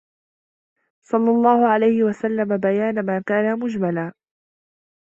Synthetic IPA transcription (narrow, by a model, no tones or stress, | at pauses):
sˤɑlːɑlˤːɑːhʊʕalajhɪwasalːamabajaːnamaːkaːnamʊd͡ʒmalaː